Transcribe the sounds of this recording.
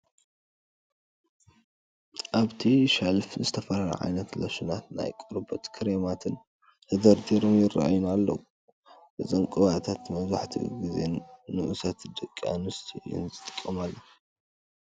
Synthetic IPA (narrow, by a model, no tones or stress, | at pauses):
ʔaβt̪ʰiʃalfzɨt̪ʰɐfɐɾaɾɐ̰ʕa̰jnɐt̪lɐʃunat̪na̰jkʼuɾɨbɐt̪kʰɨɾemat̪ʰɨn | t̪ʰɐd̪ɐɾd̪iɾomjɪrːa̰ʔajunalːɐ̰wu | bɨzʼɐŋkʼɨβat̪ʰat̪mɐzaħt̪ʰḭɡizenːɨʔusɐt̪d̪ɨkʼːa̰nɨst̪ʰʼiɪ̰nzɨt̪ʼɨ̥kʼːɐmalːɐ